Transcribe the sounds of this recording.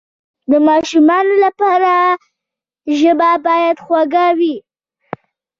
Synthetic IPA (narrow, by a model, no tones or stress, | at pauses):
d̪əmɑʃumɑnolapɑɾa | ʒəbabɑjad̪xwaɡawi